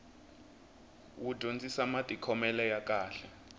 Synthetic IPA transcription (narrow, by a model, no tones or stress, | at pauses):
wud̥ʱond͡zʼisamatʼikʰɔmɛlɛjak̬ʼaːɬɛ